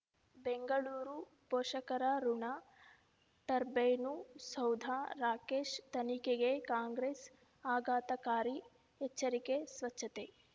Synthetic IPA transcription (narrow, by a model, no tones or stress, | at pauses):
beŋɡɐɭuːɾu | poːʂɐkɐɾɐɾuɳa | ʈɐɾbejnusɐwd̪ʱaɾaːkeːʂt̪ɐnikeɡekaːŋɡɾeːs | aːɡaːt̪ɐkaːɾi | ɦet͡ʃːɐɾikesʋɐt͡ʃʃʰːɐt̪e